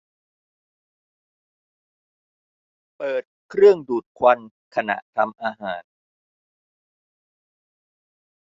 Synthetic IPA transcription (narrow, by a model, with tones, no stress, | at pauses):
pɤː˨˩t̪̚kʰɾɯ˥˩əŋduː˨˩t̪̚kʰwa˧n | kʰa˧na̰˨˩ʔt̪ʰa˧mʔaː˧ɦaː˩˦n